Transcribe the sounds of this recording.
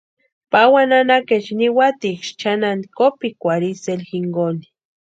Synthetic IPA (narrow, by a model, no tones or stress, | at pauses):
pawananaket͡ʃniwat̪ikʃt͡ʃanand̪ikopikʷaɾiselxiŋɡoni̥